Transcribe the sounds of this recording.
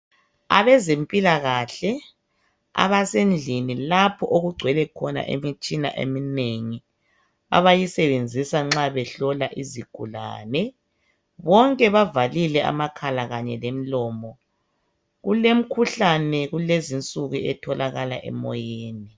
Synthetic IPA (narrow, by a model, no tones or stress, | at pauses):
a̰βɛzempʼilaɣaɬɛ | a̰βasend͡ɮʱinilapʰɔʔoɣuɡ͡ǀʱwɛlɛkʰɔna̰ʔḛmit͡ʃʼina̰ʔḛmineŋi | a̰βajisɛβend͡zʱisaŋ͡ǁaβɛɬɔlaʔiziɡ̥ʱula̰ːnɛ | βɔŋkʼɛβavalilɛa̰makʰalaɣaɲɛlem̩lɔːmɔ | ɣulem̩kʰuɬanɛɣulezint͡sʼuɣuɛtʰɔlaɣala̰ʔɛ̰mɔ̰jeːni